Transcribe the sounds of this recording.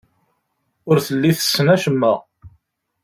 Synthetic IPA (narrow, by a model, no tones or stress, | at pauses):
ʊɾθəlːiθə̥sːnæʃəmːə